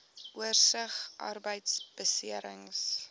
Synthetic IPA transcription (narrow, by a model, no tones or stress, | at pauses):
ʔuərsəχʔɐ̰rbəjtsb̥əsiəɾəŋs